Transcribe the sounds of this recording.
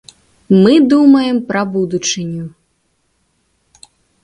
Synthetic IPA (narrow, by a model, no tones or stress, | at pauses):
mɨd̪umɐjɛmpɾɐbud̪ut͡ʂɨnʲu